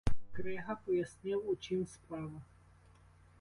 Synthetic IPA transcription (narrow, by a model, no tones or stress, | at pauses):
kɾɛɦɐpɔjɐsʲnɪwut͡ʃimspɾɑʋɐ